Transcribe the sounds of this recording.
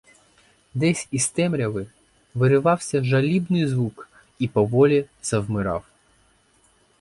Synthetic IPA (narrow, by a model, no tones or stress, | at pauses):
d̪ɛsʲist̪ɛmɾʲɐʋɪ | ʋɪɾɪʋɑwsʲɐʒɐlʲibnɪjzʋuk | ipɔʋɔlʲiz̥ɐwmɪɾɑ̰w